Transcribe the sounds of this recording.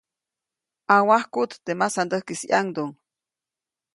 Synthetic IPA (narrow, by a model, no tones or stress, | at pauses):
awahkut̪t̪emasand̪əhkisiʔaŋd̪oŋ